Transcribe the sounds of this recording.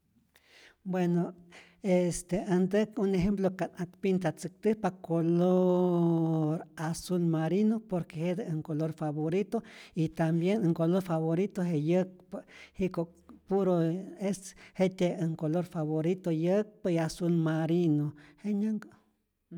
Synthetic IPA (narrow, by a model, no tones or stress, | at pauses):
bweno | est̪eand̪əkuneɦemplokanak̚pint̪at͡sɨk̚t̪ɨhpakolo | ɾasulmaɾinopoɾkehed̪eŋkoloɾfaβoɾit̪oit̪ambjenəŋkoloɾfaβoɾit̪oɦejək̚pahikokpuɾoeshet̪eəŋkoloɾfaβoɾit̪ojək̚paiasulmaɾinoheɲaŋɡ